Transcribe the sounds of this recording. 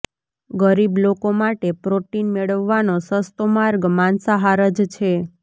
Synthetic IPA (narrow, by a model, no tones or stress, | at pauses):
ɡəɾiblokomaʈepɾoʈinmeɭəʋːanosəst̪omaɾɡmansaɦaɾəd͡ʒt͡ʃʰe